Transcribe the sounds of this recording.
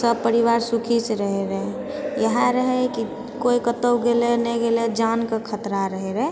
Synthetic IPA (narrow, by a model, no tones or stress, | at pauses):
səb̚pəɾiwaːɾsʊkʰisɾəɦeɾɛ | jəɦaɾəɦeki | koikət̪əwɡelenɛɡeled͡ʒaːnkakʰət̪ɾaɾəɦeɾɛ